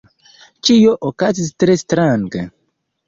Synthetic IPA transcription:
t͡ʃijoʔokazistɾestɾaŋɡḛ

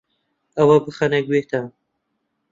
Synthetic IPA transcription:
ɐwɐbɨxɐneɡwet̪ʰa

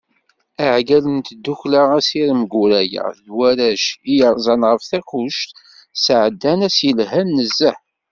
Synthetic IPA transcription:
æʕɡælənt̪d̪ːuçlaʁæsiɾməɡuɾæjæ̰ðwæɾæʃijəɾˤzˤɑnʁəfθækuʃt̪ | sʕəd̪ːænæsjəlɦænːəzːəħ

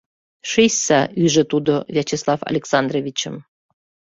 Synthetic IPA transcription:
ʃijsɑyʒə̆t̪ud̪ovʲet͡ɕeslˠɑfɑ̰lʲeksɑnd̪rovʲit͡ɕə̰m

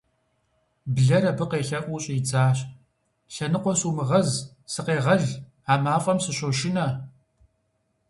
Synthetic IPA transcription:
bɮɐɾɐbɨqeːɬɐʔʷuɕʼjɪd͡zaːɕ | ɬɐnɨqʷɔsuːmɨʁɐz | sɨqeːʁɐɮ | aːmaːfʼɐmsɨɕoʃɪnɐ

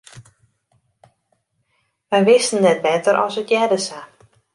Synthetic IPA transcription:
ʋɛjʋɪstən̩nɛt̚bɛtəɾʔɔ̰sətjɛdəsa

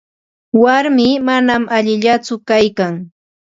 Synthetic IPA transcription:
waɾmɪmanamaʎɪʎat͡sʊkajkaŋ

